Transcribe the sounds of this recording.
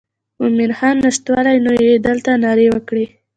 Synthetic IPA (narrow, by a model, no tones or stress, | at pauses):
ʊmɪɾxɑnːɪʂt̪wɑlajnojed̪əlt̪anɑɾewəkɽi